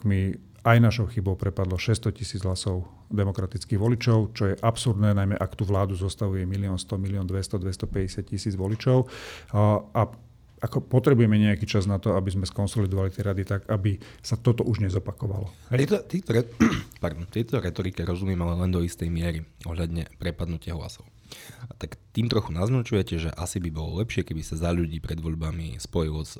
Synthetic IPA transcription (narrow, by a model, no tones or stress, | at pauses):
mi | ajnaʃɔʊxibɔʊpɾɛpad̪lɔʃɛst̪ɔcisiːd͡zɦlasɔʊ | d̪ɛmɔkɾat̪it͡skiːɣʋɔlit͡ʃɔʊt͡ʃɔjɛʔapsuɾd̪nɛːnajmɛʔakt̪uʋlaːd̪uzɔst̪aʋujɛmiliɔnst̪ɔmiliɔnd̪ʋɛst̪ɔd̪ʋɛst̪ɔpɛɟɛsɪat̪̚cisiːd͡zʋɔlit͡ʃɔʊ | a | akɔpɔt̪ɾɛbujɛmɛɲɛakiːt͡ʃaznat̪ɔabizmɛskɔnsɔlid̪ɔʋalit̪iɾad̪it̪aɡabisat̪ɔt̪ɔʔuʒɲɛzɔpakɔʋa̰lɔhɛɛt̪ɔt̪ɛt̪ɔɛpaɾd̪ɔmt̪ɪɛt̪ɔɾɛt̪ɔɾikɛɾɔzumɪjɛmalɛlɛnd̪ɔist̪ɛjmɪɛɾiɔɦʎad̪ɲɛpɾɛpad̪nucɪaɦla̰sɔʊ | t̪akt̪iːmt̪ɾɔxunaznat͡ʃujɛcɛʒɛ̰ʔasibibɔlɔ̰lɛpʃɪɛkɛbisazaʎuɟiːpɾɛd̪ʋɔʎbamḭspɔjilɔs